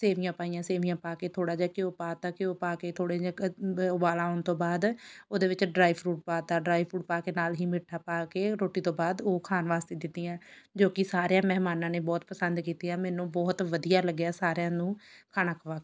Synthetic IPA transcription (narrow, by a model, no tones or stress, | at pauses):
seːʋijãːpaːijãːseːʋijãːpaːkeːt̪ʰoːɽaːd͡ʒaːkɪoːpaːt̪ãːkɪoːpaːkeːt̪ʰoːɽeːd͡ʒaʊbaːlaːoɳt̪õːbaːd̪oːd̪eːʋɪt͡ʃɖɾaːipʰɾuːʈ̚paːt̪aːɖɾaːipʰɾuːʈ̚paːkeːnaːlɦiːmɪʈʰaːpaːkeːɾoːʈːiːt̪õːbaːd̪oːkʰaːnʋaːst̪eːd̪ɪt̪ːiːãː | d͡ʒoːkɪsaːɾejãːmɛɦmaːnãːneːbɔːt̪pəsənd̪kiːt̪iːaːmɛːnũːbɔːt̪ʋəd̪ijaːləɡːjaːsaːɾejãːnũːkʰaːnaːkʰəʋaːk